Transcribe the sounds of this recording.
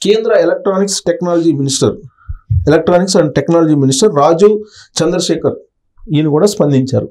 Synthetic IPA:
keːnd̪ɾɐelɐk̚ʈɾaːniksʈeknaːlɐd͡ʒiːminisʈɐ̰ɾ | elek̚ʈɾaːniksɐɳʈeknaːlɐd͡ʒiːminisʈɐɾːaːd͡ʒut͡ʃɐnd̪ɾɐʃɛːkɐɾ | d̪iːnikuːɽaːspɐnd̪iɲt͡ʃa̰ːɾu

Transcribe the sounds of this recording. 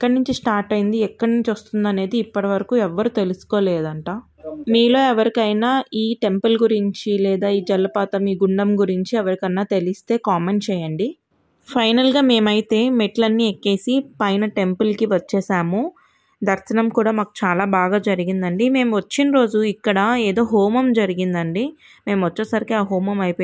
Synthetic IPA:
ɛkːɐɽnuɲt͡ʃisʈaːɾʈɐjind̪iɛkːɐɽnuɲt͡ʃʋɐst̪und̪ɐne̞ːd̪iːpːɐʈɐʋɐɾɐkuːɛʋːɐɾut̪e̞lusu̥ko̞ːleːd̪ɐɳʈaː | miːlo̞ːɛʋɐɾikɐjnaːiːʈe̞mpɐlɡuɾiɲt͡ʃilɛːd̪aːiːd͡ʒɐlːɐpaːt̪ɐmiːɡuɳɖɐmɡuɾiɲt͡ʃiɛʋɐɾikɐnːaːt̪e̞list̪e̞ːkaːme̞ɳt͡ʃɛːjɐɳɖi | pʰɐjnɐlɡaːme̞ːmɐjit̪e̞ːmeʈlɐnːiekːe̞ːsipɐjnɐʈe̞mpulkiʋɐt͡ʃːɛːsaːmu | d̪ʱɐɾsɐnɐmkuːɽaːmaːku̥t͡ʃaːlaːbaːɡaːd͡ʒɐɾiɡind̪ɐɳɖime̞ːmʋɐt͡ʃːinɾo̞ːd͡ʒuikːɐɽɐeːd̪o̞ːɦoːmɐmd͡ʒɐɾiɡind̪ɐɳɖi | me̞ːmʋɐt͡ʃːɐsɐɾikiaːɦoːmɐmɐjpo

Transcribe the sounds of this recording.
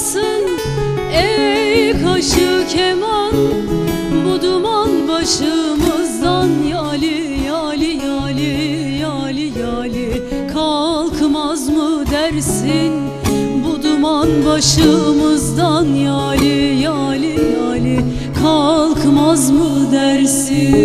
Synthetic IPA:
sɯn | ɛjkʰaʃɯcʰeman | bud̪umanbaʃɯmɯzd̪anjalʲɪ | jaːlʲɪjaːlʲi | jaːlʲɪjaːlʲɪ | kʰalˠkʰɯmazmɯd̪æɾsin | bud̪umanbaʃɯmɯzd̪anjaːlʲɪjaːlʲɪjaːlʲɪ | kʰalˠkʰmazmɯd̪æɾsɪ

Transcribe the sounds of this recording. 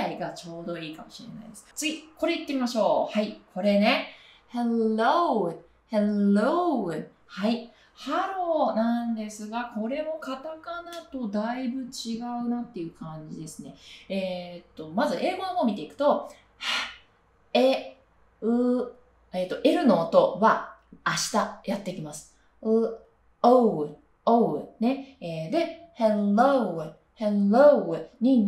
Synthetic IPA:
aiɡat͡ɕo̞ːd̪o̞iːkamo̞ɕiɾe̞̰na̰ijd̪e̞sɨ̥t͡sɨɡʲiko̞ɾe̞it̪ːemʲimaɕo̞ːhaikʰo̞ɾe̞ne̞ | helo | helo | hai | haɾo̞nãnd̪e̞sɨɡako̞ɾe̞mo̞kat̪akanat̪o̞d̪aibɯ̟t͡ɕiɡaɯ̟nat̪ːe̞jɯ̟kãɲ̟d͡ʑid̪e̞sɨne̞̰et̪ːo̞mazɨʔe̞ːɡomomʲit̪e̞ikɯ̟̥t̪o̞ | ha | e | ɯ | eːt̪ːo̞ʔe̞ɾɯ̟noːt̪o̞βaːɕi̥t̪ajat̪ːe̞kʲimasɨ̥ | ɯ | o | one̞eːd̪e̞heo | heoɲ̟i

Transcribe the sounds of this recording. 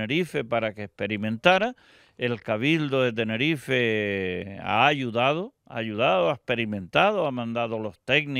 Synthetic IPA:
eɾife̞paɾakeːhhpe̞ɾimẽ̞nt̪aɾa | e̞lkaβild̪oðe̞t̪̬e̞ne̞ɾife | a̰ːʎuðað̞o | a̰ːʎuðaðoaehpe̞ɾimẽ̞nt̪aðoamãnd̪aðolo̞ht̪e̞ɡni

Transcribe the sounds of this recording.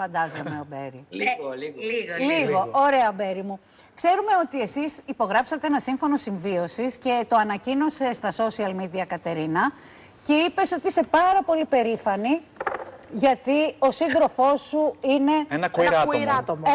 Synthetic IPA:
fɐnd̪ɐzo̞me̞obḛɾi | lliɣɣo̞oɾe̞ɐbe̞ɾimu | kse̞ɾume̞o̞t̪ie̞sisipo̞ɣɾɐpsɐt̪eenɐsiɱfo̞no̞siɱvio̞sisce̞t̪o̞ɐnɐcino̞se̞st̪ɐso̞siɐlmid̪iɐkɐt̪e̞ɾinɐ | ce̞ipe̞so̞t̪iise̞pɐɾɐpo̞lipe̞ɾifɐni | ʝɐt̪io̞sind̪ɾo̞fo̞suine̞enɐknuiɾɐt̪omo

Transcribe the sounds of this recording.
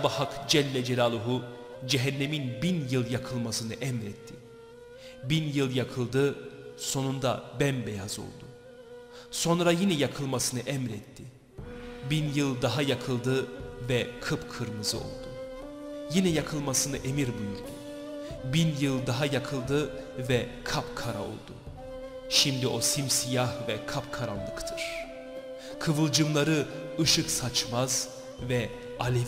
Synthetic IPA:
bahakd͡ʒɛlʲːɛd͡ʒelʲalˠuɦud͡ʒɛɦɛnːeminbinjɯlˠjakʰɯlˠmasɯnɯʔɛmɾɛt̪ʰːi | binjɯlˠjakʰɯlˠd̪ɯso̞nund̪a̰bɛnbejazo̞̰lˠd̪u | so̞nɾajinɛjakʰɯlˠmasɯnɯʔɛmɾɛt̪ʰːi | binjɯlˠd̪aɦajakʰɯlˠd̪ɯvɛkʰɯpkʰɯɾmɯzɯo̞̰lˠd̪u | jinɛjakʰɯlˠmasɯnɯʔe̞miɾbujuɾd̪ʰu | binjɯlˠd̪aɦajakʰɯlˠd̪ɯ | vɛkʰapkʰaɾa̰o̞̰lˠd̪ṵ | ʃimd̪iʔo̞simsijahvɛkʰapkʰaɾanlˠɯkt̪ʰɯɾ̥ | kʰɯvɯlˠd͡ʒɯmlˠaɾɯɯʃɯksat͡ʃmaz | vɛ | alʲev

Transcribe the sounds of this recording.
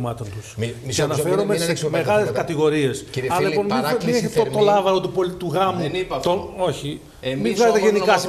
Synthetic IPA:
mɐt̪ont̪usceɐnɐfeɾomemeɣɐleskɐt̪iɣo̞ɾie̞sɐɐlipo̞nmimineçet̪ot̪olɐvɐɾot̪upolt̪uɣɐmut̪oo̞çi | mivɣɐzet̪ʝenikɐsi

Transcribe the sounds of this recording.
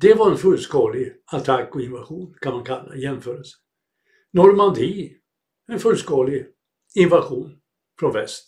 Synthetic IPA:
d̪̥ɛvaɾɛnfɵlːskɑːlɪɡ | at̪ʰakːɔɪnvaɧuːnkʰanmankʰalːa̰jɛmføːɾəlsə̥ | nɔɾmand̪iː | ɛnfɵlːskɑːlɪ | ɪnvaɧuːn | fɾɔnvɛst̪

